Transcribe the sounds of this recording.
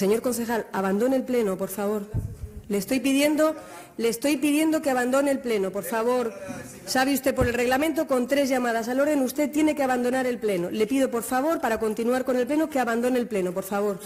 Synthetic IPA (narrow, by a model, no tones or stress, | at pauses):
se̞ɲo̞ɾko̞nθe̞xalaβand̪o̞nelple̞nopo̞ɾfaβ̞o̞ɾle̞ːst̪o̞jpið̞je̞nd̪o̞ | leːst̪o̞jpið̞je̞nd̪o̞keaβand̪o̞neːlple̞nopoɾfaβ̞o̞ɾ | saβeust̪epo̞ɾelre̞ɣlamẽnt̪̬o̞ko̞nt̪ɾe̞zʝamað̞as̬alo̞ɾðenust̪et̪je̞ne̞keaβand̪o̞naɾe̞lple̞nole̞pið̞o̞po̞ɾfaβ̞o̞ɾpaɾako̞nt̪inuaɾko̞ne̞lple̞nokeaβand̪o̞nelple̞nopo̞ɾfaβ̞o̞ɾ